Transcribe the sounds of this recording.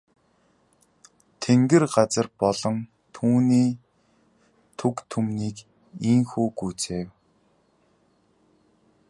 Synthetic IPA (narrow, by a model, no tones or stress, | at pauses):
t̪ʰeŋɡɘ̆rɢat͡sə̆rpɔɮɞ̆ŋ | t̪ʰuːniː | t̪ʰukt̪ʰumniːk | iŋxuːɡuːt͡seːw